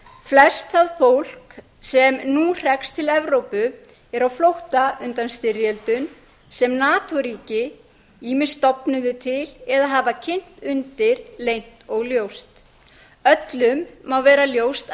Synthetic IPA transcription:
flɛst̪aðfowl̥k | sɛmnur̥ɛkst̪ʰɪlɛvɾowpʏ | ɛɾawflowht̪aʏnt̪anst̪ɪɾjɛlt̪ʏn | sɛmnaːt̪ɔɾiːcɪ | iːmɪst̪ɔpnʏðʏt̪ʰɪlɛðaɦaːvacʰɪn̥t̪ʏnt̪ɪɾlejn̥t̪ɔɣljowst̪ | œt̪lʏmːawvɛːɾaljowst̪

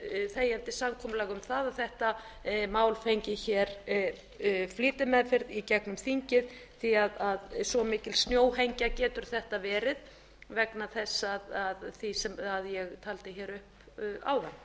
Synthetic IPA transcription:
θeːjant̪ɪsamkʰɔːmʏlɛːɣʏmθaðaθɛht̪a | maːwlfejɲcɪçɛɾ | fliːt̪ɪmɛðfɪɾðicɛknʏmθiɲcɪðθiaðaðsɔmɪːcɪlst̪njoːwɦejɲcacɛːt̪ʏɾ̥θɛht̪avɛːɾɪð | vɛknaθɛsːaðaðθisɛmaðjɛɣt̪ʰaːlt̪ɪçɛːɾʏhp | a̰wðanː

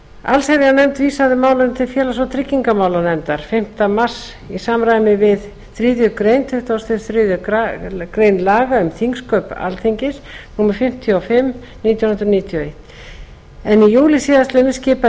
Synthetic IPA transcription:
a̰lseɾjanɛmt̪viːsaðɪmaːwlamt̪ʰɪlfjɛːlasvɔwt̪ʰɾɪcːiŋkamaːwlanɛmt̪aɾ̥fɪm̥t̪amar̥s | isaːmɾaːjnɪvɪð | θɾiːðjʏkɾejnt̪ʰʏht̪ast̪ɪɾθɾiðʏ | kɾeːjnlaːɣaʏmθiŋskœːpa̰lt̪ʰiɲcɪsnuːmaɾ̥fɪm̥t̪ʰjɔɔfɪm | niːt̪janhʏnɾɔnit̪ʰjɔejt̪ | ɛnijuːlɪsiːðast̪ɛnɪscɪːpa

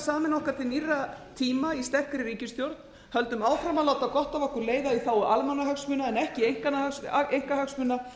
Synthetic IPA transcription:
saːmɪnɔhkaɾθɪnirːat̪ʰiːmaist̪ɛhkɾɪɾiːcɪst̪jowɾt̪̚n̥ | hœlt̪ʏmaːwfɾamaðlaːwt̪akɔht̪avɔhkʏɾleːjðaiθaːwʏʔalmanːaɦœksmʏnaɛnɛhcɪejŋ̥kanːahœksejŋ̥kaɦœksmʏnːa

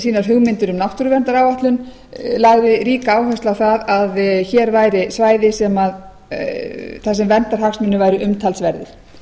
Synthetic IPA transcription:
siːnaɾ̥ɦʏɣmɪnt̪ʏɾʏmnawht̪uɾʏvɛnt̪aɾawaht̪lʏn | laɣvɪðɾiːkaaːwɦast̪awθaðaðçɛɾvaːjɾɪsvaːjðɪsɛmað | θas̬ɛmvɛnt̪aɾ̥haksmʏnːʏvaːjɾʏʔʏmt̪ʰalsvɛɾðɪɾ̥

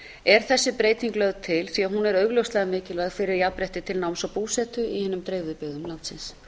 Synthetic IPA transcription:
ɛɾ̥θɛsːɪpɾeːjt̪iŋklœɣðt̪ʰɪlθiaɦunɛɾœːɥɣlœwst̪lɛɣamɪːcɪlaɣfɪɾɪɾjapɾɛht̪ɪt̪ʰɪlnawmsawpuːsɛt̪ʏihɛːnʏmt̪ɾeːjvʏðpɪɣðʏmlant̪sɪns

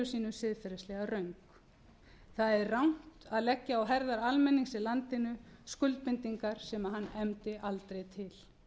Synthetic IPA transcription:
ʏsiːnʏsɪðfɛɾɛslɛɣarœɥŋk | θaðɛɾrawŋ̥t̪aðlɛcːaawɦɛɾðaɾalmɛnːiŋsɪlant̪ɪnʏskʏlt̪̚pmɪnt̪iŋkaɾ̥sɛmaɦanːɛmt̪ɪʔalt̪ɾejt̪ʰɪl

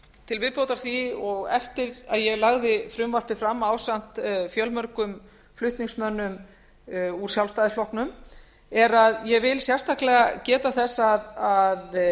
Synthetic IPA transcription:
t̪ʰɪlvɪðpowt̪aɾ̥θiɔɣɛft̪ɪɾaðjɛɣlaɣðɪfɾʏmvar̥pɪfɾamːaːwsan̥t̪fjœlmœɾkʏm | flʏht̪niŋksmœnːʏm | uɾ̥sjawlst̪aːjðɪsflɔhknʏm | ɛɾaðjɛvɪlsjɛr̥t̪ʰahklɛɣacɛːt̪aθɛsːaðað

